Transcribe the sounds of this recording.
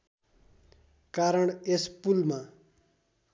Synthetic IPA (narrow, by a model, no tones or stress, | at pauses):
kaɾəɳespulmã